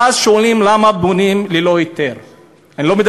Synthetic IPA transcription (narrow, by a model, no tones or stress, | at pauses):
azʃoalimlamabonimlelojit̪eʁ | anilo̞med̪